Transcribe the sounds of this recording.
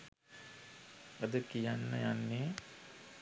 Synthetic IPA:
əd̪əkijanːə̰janːeː

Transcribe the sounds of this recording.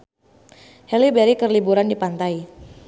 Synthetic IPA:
hɛlibeɾikərlibuɾandipant̪ai

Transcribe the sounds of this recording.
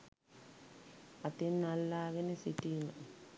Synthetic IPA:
at̪inalːakɛnesitʼina

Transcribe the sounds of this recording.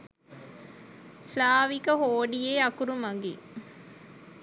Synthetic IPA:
slaːʋikəɦoːɖijeːɐkuɾumɐŋɡi

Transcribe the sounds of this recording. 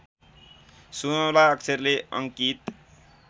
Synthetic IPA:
sunəlaʌksʰeɾleʌ̰ŋkit̪

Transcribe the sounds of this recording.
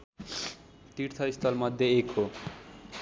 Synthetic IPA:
t̪iʈt̪ʰʌist̪ʌlmʌd̪ʱːjeekʰɦo

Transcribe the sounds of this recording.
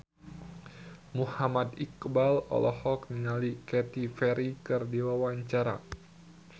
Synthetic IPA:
muhamad̪ikbalɔ̰lɔhɔkniŋalikɛt̪ifɛɾikɨrdiwawaɲt͡ʃaɾa̰

